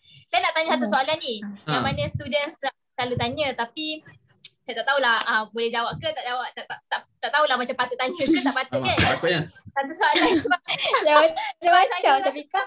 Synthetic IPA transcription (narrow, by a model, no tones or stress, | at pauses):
sajanaʔt̪aɲasat̪̬usoalanːijaŋmanə̃st̪udənsaʔkalut̪aɲət̪api | sajat̪aʔt̪aɦulahəbolɛhd͡ʒawaʔkət̪aʔd͡ʒawaʔ̚t̪aʔt̪aʔt̪aʔt̪aʔt̪aɦulahmat͡ʃampat̪uʔt̪aɲə̃kət̪aʔpat̪əkanaasat̪usoaland͡ʒaadamasat͡ʃatapika